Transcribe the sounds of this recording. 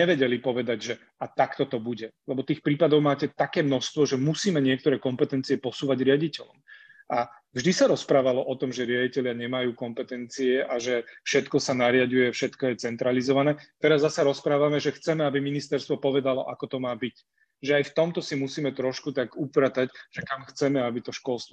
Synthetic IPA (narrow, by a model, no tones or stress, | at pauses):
ɲɛʋɛɟɛlipɔʋɛd̪aɟʒɛ | at̪akt̪ɔt̪ɔbuɟɛlɛbɔt̪iːxpɾiːpad̪ɔʊmaːcɛt̪akɛːmnɔst̪ʋɔʒɛmusiːmɛɲɪɛk̚t̪ɔɾɛːkɔmpɛt̪ɛnt͡siɛpɔsuːʋaɟɾɪaɟicɛlɔmʔa | vʒd̪isaɾɔspɾaːʋalɔʔɔt̪ɔmʒɛɾɪaɟicɛlɪaɲɛmajuːkɔmpɛt̪ɛnt͡siɛʔaʒɛfʃɛt̪kɔsanaɾɪaɟujɛfʃɛt̪kɔjɛt͡sɛnt̪ɾalizɔʋanɛːt̪ɛɾazːasaɾɔspɾaːʋamɛʒɛxt͡sɛmɛabiminist̪ɛɾst̪ʋɔpɔʋɛd̪alɔ̰ʔakɔt̪ɔmaːbic | ʒɛajft̪ɔmt̪ɔsimusiːmɛt̪ɾɔʃkut̪aɡupɾat̪aɟʒ̥ɛkamxt͡sɛmɛabit̪ɔʃkɔlst̪ʋ